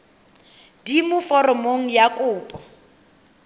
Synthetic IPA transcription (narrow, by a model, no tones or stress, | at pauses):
dimʊfɔrɔmoŋ̩jakʼʊːpʼɔ